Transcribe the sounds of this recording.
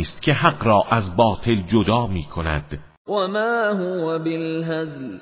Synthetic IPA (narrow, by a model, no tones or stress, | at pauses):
st̪cʰe̞ɦæɢɾɒːʔæzbɒːt̪ʰe̞ld͡ʒod̪ɒːmiːkʰonæ̰d̪̥ | wamaːɦʊwabɪlɦazl